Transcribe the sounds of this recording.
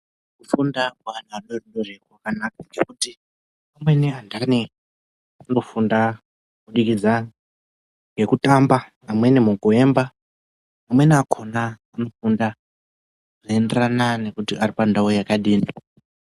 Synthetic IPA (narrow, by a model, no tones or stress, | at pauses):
kufundaanaaɗorɗorekakanak̚aŋɡekuti | pamwe̞niandani | ano̞funda | kuɗikid͡za | ŋɡe̞kutambaː | mwenimukue̞mba | amwe̞niakʰo̞na | ano̞funda | aenderanane̞kutiaripandawojakaɗiːni